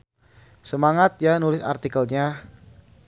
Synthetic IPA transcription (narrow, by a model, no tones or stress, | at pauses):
səmaŋat̪̚janulɪsa̰rt̪ikəlɲa